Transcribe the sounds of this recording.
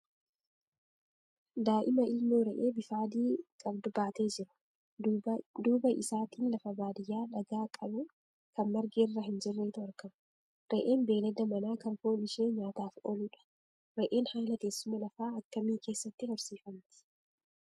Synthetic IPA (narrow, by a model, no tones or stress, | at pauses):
d̪aːʔɪmɐʔɪlnoːɾɛʔe̞ːbɪfaːd̪iːkʼɐbd̪ʊbaːt̪e̞ːd͡ʒɪɾɐ̥ | d̪uːbɐʔɪ̰saːt̪iːnlɐfɐbaːd̪ɪjːaːᶑɐɡaːkʼɐbʊ | kɐnmɐɾɡeːrːɐɦɪnd͡ʒɪrːeːt̪ʊɐɾkɐm | ɾɛʔe̞ːnbe̞ːlɐd̪ɐmɐnaːkɐŋkoːnɪʃe̞ːɲaːt̪aːfo̰ːluːᶑɐ̥ | ɾɛʔe̞ːnhaːlɐke̞ːsːʊmːɐlɐfaːɐkːɐmiːke̞ːsːɐt̪ːɪhɔɾsiːfɐmt̪ɪ̥